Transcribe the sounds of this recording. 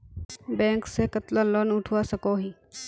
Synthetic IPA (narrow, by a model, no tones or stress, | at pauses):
bɛ̃ːksekət̪laloːnʊʈʰwasɐkoɦi